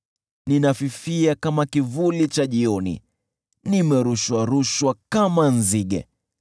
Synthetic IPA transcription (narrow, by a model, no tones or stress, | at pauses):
ninafifiakamakivulit͡ʃaʄiɔnḭ | nimɛɾuʃwaɾuʃwakamanziɠɛ̰